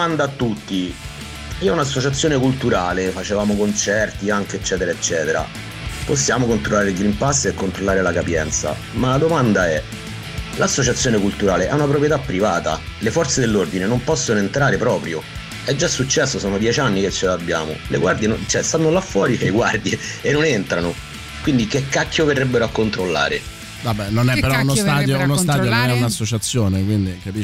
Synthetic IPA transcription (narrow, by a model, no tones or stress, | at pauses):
mand̪aːt̪ːut̪ːi | iɛunasːot͡ʃat̪sjoːnekult̪uɾaːlefat͡ʃevaːmokont͡ʃɛrt̪iaŋk̟eet͡ʃːɛːt̪eɾaet͡ʃːɛːt̪eɾa̰ | posːjaːmokont̪ɾolːaːɾelɡɾimpasːekːont̪ɾolːaːɾelakapjɛnt̪sa̰ | malad̪omand̪aɛ | lasːot͡ʃat̪sjoːnekult̪uɾaːleʔɛunapɾop̬ɾjet̪apːɾivaːt̪a̰lefɔrt̪sed̪elːord̪inenompɔsːonoent̪ɾaːɾepɾɔːpɾjo | ɛd͡ʒːasːut͡ʃːɛsːosɔːnod̪jɛt͡ʃanːiket͡ʃːelaabːja̰ːmo̰leɡward̪jent͡ʃɛst̪anːolafːwɔːɾieɡward̪jeːnːonent̪ɾano | kwind̪ikekːakʰːjoverɛbːeɾoakːont̪ɾolːa̰ːɾḛ | dabɛnonɛpeɾɔunost̪aːd̪jounost̪aːdjononɛunasːot͡ʃat̪sːjoːnekwind̪ikapi